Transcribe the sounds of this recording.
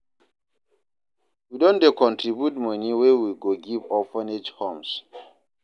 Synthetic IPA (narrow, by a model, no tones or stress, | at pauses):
widɔ̃ndekɔ̃ntʰɹibjutmɔniwɛwiɡoɡivɔfaned͡ʒhɔ̃ms